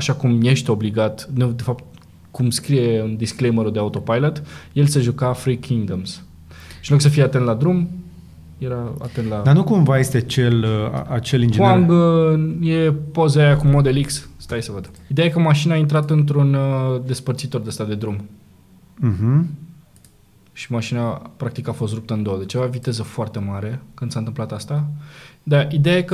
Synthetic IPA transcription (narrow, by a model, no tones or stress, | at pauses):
aʃakumje̞ʃt̪eo̞bliɡat̪nud̪e̞fapt̪̚ | kumskɾije̞ɨnd̪isklejmeɾuld̪e̞aut̪o̞pajlət̪je̞lseʒukafɾikʰiŋɡd̪əms | ʃinloksəfijeat̪e̞nt̪lad̪ɾum | je̞ɾaa̰t̪e̞nt̪lad̪anukumvaje̞st̪eat͡ʃe̞lə̰at͡ʃe̞lind͡ʒeaŋɡ | jepozeajakumod̪eliksst̪ajsəvəd̪əid̪e̞ajekəmaʃinaːint̪ɾat̪ɨnt̪ɾund̪e̞spərt̪sit̪o̞rd̪est̪ad̪e̞d̪ɾum̩ | ɦ̩ | ʃi̥maʃinapɾak̚t̪ikafost̪ɾup̚t̪əɨnd̪owəd̪et͡ʃevavit̪e̞zəfoart̪e̞maɾe̞kɨnd̪sant̪ɨmplat̪ast̪ad̪aid̪eaje̞kə